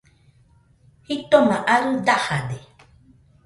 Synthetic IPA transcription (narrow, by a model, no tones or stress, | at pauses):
hit̪omãʔaɾɨd̪ahade